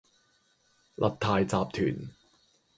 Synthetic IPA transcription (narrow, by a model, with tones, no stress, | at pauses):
lʔɐ˨t̚t̪ʰaː˨jt͡saː˨p̚t̪ʰy̰ː˨˩n